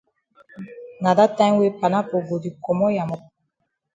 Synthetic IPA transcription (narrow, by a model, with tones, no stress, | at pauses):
ŋa˨da˦ta˦ŋ˦we˦pa˨na˦po˨ɡo˨di˨kɔ˨mɔ˦ja˨mɔ˦